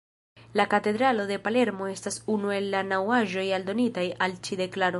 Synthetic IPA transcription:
lakate̞d̪ɾalo̞de̞pale̞ɾmo̞e̞stasunue̞lːanawaʒo̞jaldo̞nitajalt͡ʃide̞klaɾo

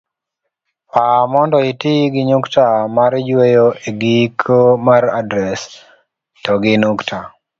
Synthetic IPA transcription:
pamɔndɔɪtiɡɪɲʊktamaɾɪd͡ʒwejoʔeɡikʰomaɾa̰dɾɛs | tɔɡɪnuktʰa

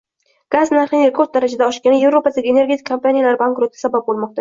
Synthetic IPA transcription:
ɡ̥aznaɾχɪneɾkʰot̪̚d̪aɾad͡ʒad̪aɒʃkʲanɪje̞vɾopʰad̪aɡʲɪeneɾɡʲe̞t̪ʰɪ̥kʰːompanijalaɾbaŋkɾot̪ʰːɪ̥sabap̚bolˠmɒq̚t̪a

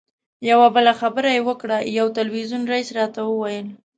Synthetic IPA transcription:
jawabəlaxabəɾajewəkɽajawt̪alwizunɾaisɾɑt̪awəwajəl

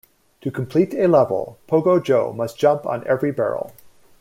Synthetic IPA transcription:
tʰɨkʰm̩pʰl̥iɾɨlɛvl̩ˠpʰoʊɡoʊd͡ʒoʊmʌsd̥ʒ̥ʌ̃mpn̩ɛvɹibɛ̰ɹ̰l̩ˠ

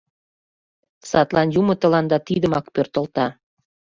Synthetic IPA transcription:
sɑt̪lɑnjumət̪ə̆lɑnd̪ɑt̪id̪əmɑkpørt̪ə̆lt̪ɑ

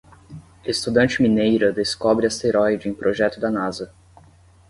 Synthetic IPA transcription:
est̪ud̪ɐ̃nt͡ʃɪminejɾɐd̪eskɔbɾɪɐst̪eɾɔjd͡ʒɪẽj̃pɾʔoʒɛt̪ʊd̪ɐnazɐ

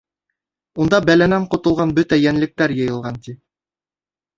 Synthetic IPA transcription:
und̪ɑbælænæɴqŏt̪ŏlˠʁɑnbɵt̪æjænlɘ̆k̚t̪æɾjɤ̆jɤ̆lˠʁɑnt̪i

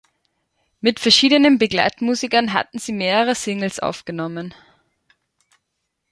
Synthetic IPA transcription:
mɪtfɛɐʃiːdənənbəɡla̰ɪtmuːzɪkɐnɦa̰tn̩z̥iːmeːʁəʁəsɪŋl̩sʔa̰ʊfɡ̥ənɔmən

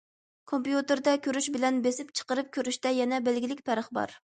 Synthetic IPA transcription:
kʰompjut̪ɨɾd̪ɛkʲʰøɾyʃbɪlɛnbesɪp̚t͡ʃʰə̥qəɾɨp̚kʲøɾyʃt̪ɛjɛnɛbɛlɡʲilɪkʲpʰæɾəχbɑ̰ɾ

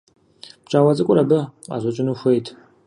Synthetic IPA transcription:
b̥t͡ʃʼaːwɐt͡sʼɨkʷʼʊɾɐbɨa̰zʷɐt͡ʃʼɪnuxʷejtʰʼ

